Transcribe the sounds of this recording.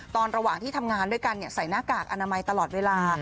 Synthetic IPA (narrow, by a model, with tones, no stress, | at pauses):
t̪ɔː˧nɾa˧waː˨˩ŋt̪ʰiː˥t̪ʰa˧mŋaː˧ndu˥˩əjka˧nːi˥˩ɐsa˩˦jnaː˥˩kaː˨˩k̚ʔa˧naː˧ma˧jt̪a˧lɔː˨˩t̪̚weː˧laː˧